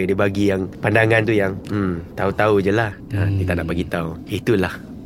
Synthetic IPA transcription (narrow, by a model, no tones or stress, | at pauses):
dibaɡijaŋpandaŋãnt̪ujaŋ̩mt̪aut̪aud͡ʒəlahəkit̪anaʔbaɡit̪auit̪ulah